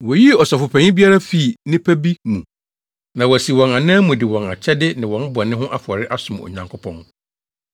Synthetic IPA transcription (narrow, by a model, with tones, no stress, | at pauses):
wɔ˨ji˦ɔ˨sɔ˨fʊ˨pʰɛ̃˨ɲɪ̃˦bi˦a˦ɾa˦fi˦˨nɪ̃˦pʰæ˦bi˦mũ˨ | nã˨wɔ˨æ˨si˨wɔ̃˨na˨nɪ̃˦a˦mũ˨dɪ˨wɔ̃˨na˨t͡ɕʰɛ˦dɪ˦nɪ̃˨wɔ̃˨n˦bʊ˨a˨nɪ̃˦ɦʊ̃˦ʔa˦fʊ˨ɔ˨ɾɪ˦ʔa˦sʊ̃˨mɔ̰˨ɲã˨ŋkʰʊ˦pʰɔ̃˦n